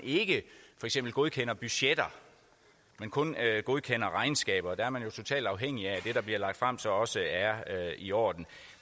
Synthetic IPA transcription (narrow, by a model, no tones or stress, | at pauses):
ne̝ɡ̥əfɒ̽eɡ̥sem̰b̥l̩ɡ̥o̝ð̞ˠkʰenɐb̥yɕed̥ɐ | menkʰɔ̽nɡ̥o̝ð̞ˠkʰen̰ɐʁɑ̈ɪnsɡ̥ɛ̰ːb̥ɐd̥ɑɐmænjo̝t͡sʰo̝t͡sʰɛ̰ːld̥ɑ̈ʊɦeŋ̰iæd̥e̝ɾ̥ɑ̈b̥liɐlɑ̈ɡ̥̚d̥fʁɑ̈m̰sɒ̽ɒ̽səæɐiɒ̰ːd̥n̩